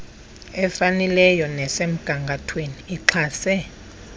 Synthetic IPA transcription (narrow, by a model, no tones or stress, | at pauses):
ɛfanɛlɛjɔnɛsem̩ɡ̥ʱaŋɡʱatʰweniːǁʰaːsɛ